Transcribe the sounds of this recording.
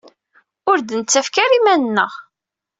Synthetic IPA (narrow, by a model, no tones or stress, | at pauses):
ʊɾd̪nət͡sːæfkæɾimænənːə̰ʁ